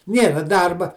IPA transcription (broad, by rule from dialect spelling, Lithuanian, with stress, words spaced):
ˈnʲeːrɐ ˈdɐrbɐ